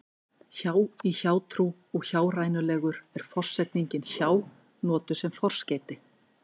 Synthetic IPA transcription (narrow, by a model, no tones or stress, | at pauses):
çaːwiçaːwt̪ʰɾu | ɔɣçaːwrajnʏlɛːɣʏɾɛɾ̥fɔr̥sɛt̪niɲcɪnçaːw | nɔːt̪ʏ̥sɛmfɔr̥scɛːjt̪ɪ